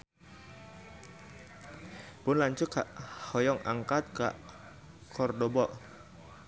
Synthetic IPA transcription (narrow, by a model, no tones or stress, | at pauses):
pʊnlaɲt͡ʃʊkaʔhɔjɔŋa̰ŋkat̪̚ka̰ʔ | kʰɔrdɔbɔʔ